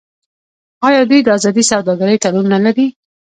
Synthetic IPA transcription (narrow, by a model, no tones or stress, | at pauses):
ɑjɑd̪ujd̪əɑzɑd̪isawd̪ɑɡaɾəjʈalunːalaɾi